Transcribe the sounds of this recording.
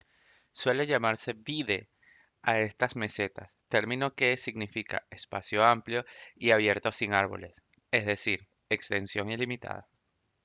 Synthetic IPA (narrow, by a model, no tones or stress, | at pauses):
swe̞le̞ʝamaɾse̞βiðe̞ | ae̞st̪azme̞se̞t̪ast̪e̞ɾmĩno̞ke̞siɣnifika̰espasjo̞ampljo̞iaβ̞je̞ɾt̪o̞siŋaɾβo̞̰le̞s | e̞zðe̞siɾ | e̞kst̪e̞nsjo̞ŋilimit̪a̰ða